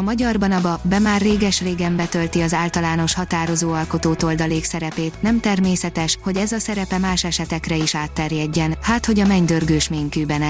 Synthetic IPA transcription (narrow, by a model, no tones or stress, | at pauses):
ɒmɒɟɒrbɒnɒbɒbɛmaːrːeːɡɛʃreːɡɛmbɛt̪ølt̪iɒzaːlt̪ɒlaːno̞ʃhɒt̪aːɾo̞zoːɒlko̞t̪oːt̪o̞ld̪ɒleːksɛɾɛpeːt̪nɛmt̪ɛrmeːsɛt̪ɛʃho̞ɟɛzɒsɛɾɛpɛmaːʃɛʃɛt̪ɛkrɛiʃaːt̪ːɛrjɛɟːɛnhaːt̪ho̞ɟɒmɛɲd̪ørɡøːʃmeːŋkyːbɛnɛ